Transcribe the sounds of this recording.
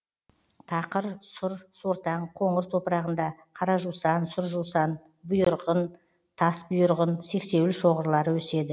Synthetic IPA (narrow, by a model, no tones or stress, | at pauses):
t̪ʰɑqəɾsʊɾsoɾt̪ɑɴqʰo̞ɴəɾso̞pəɾɑʁənd̪ɑ | qʰɑɾɑʒusɑnsʊɾʒusɑn | bʊjʊʊɾʁən | t̪ʰɑsbʊjəɾʁənse̞kse̞wlɪʃo̞ʁəɾlˠɑɾwɵse̞d̪ɪ